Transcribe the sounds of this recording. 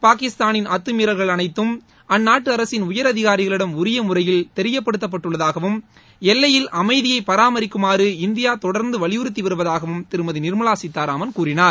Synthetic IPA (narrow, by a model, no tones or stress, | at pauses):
paːkɪst̪aːnɪnʔɐt̪ːɯmiːɾɐlɣɐɭɐnɐɪt̪ːɯm | ɐnːaːʈːɯɐɾɐsɪnʊjɐɾɐðɪɣaːɾɪɣɐɭɪɽɐmʊɾɪjɐmʊrɐjɪlt̪ɛɾɪjɐpːɐɽɯt̪ːɐp̬ːɐʈːɯɭːɐðaːɣɐʋɯm | ɛlːɐjɪlʔɐmɐɪðɪjɐɪpɐɾaːmɐɾɪkːɯmaːɾɯɪnd̪ɪjaːt̪ɔɽɐɾnd̪ɯʋɐɭɪjɯɾɯt̪̬ːiʋɐɾɯʋɐðaːɣɐʋɯmt̪ɪɾɯmɐðɯnɪɾmɐlaːsɪt̪ːaːɾaːmɐnkuːɾɪnaːɾ